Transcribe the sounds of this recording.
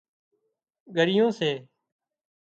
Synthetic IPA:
ɡʱəɾɪjõːseː

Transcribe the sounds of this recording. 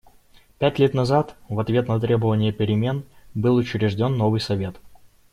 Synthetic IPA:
pʲætʲlʲet̪nɐzat̪vɐt̪vʲe̞t̪nɐt̪ɾʲe̞bəvənʲɪjəpʲɪɾʲɪmʲe̞nbɨlˠʊt͡ɕɪɾʲɪʐdʲo̞nːo̞vɨjsɐvʲe̞t̪

